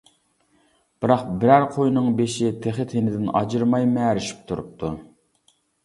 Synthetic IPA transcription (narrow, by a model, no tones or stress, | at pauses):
b̥ɨɾɑqbɪɾæɾqʰojnɨŋbeʃɪt̪ʰeχɪt̪ʰenɪd̪ɪnɑ̰d͡ʒɨɾmɑjmæːɾɪʃi̥p̚t̪ʰuɾṵp̚t̪ʰu